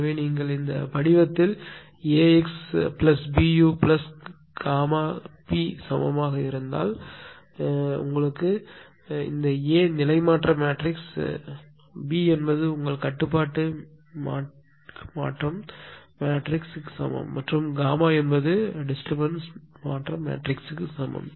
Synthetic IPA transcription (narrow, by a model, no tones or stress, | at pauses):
ʋeːniːŋɡɐɭɪnd̪ɐ̰pɐɽɪʋɐt̪ːɪl | eːɛksplɐsbiːjuːplɐs | ɡ̥aːmaːpiːsɐmɐ̰maːɣɐɪɾɯnd̪a̰ːl | ʊ̰ŋɡɐɭɯkːɯ | ɪ̰nd̪ɐeːnɪlɐɪmaːʈrɐmaːʈrɪks | biːɛnbɐðɯʊŋɡɐɭkɐʈːɯp̬ːaːʈːɯ | ma̰ː | ma̰ːʈrɐmmaːʈrɪkskːɯ̥sɐ̰mɐ̰mːɐʈrɯmɡaːmaːɛnbɐðɯɖɪsʈɐbɐnsmaːʈrɐmḛːʈrɪksɯkːɯsɐmbɐ̰m